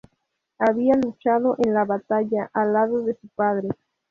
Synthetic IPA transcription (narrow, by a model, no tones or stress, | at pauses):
aβialut͡ʃað̞oʔenlaβat̪aʝaʔalːaðoðe̞supaðɾe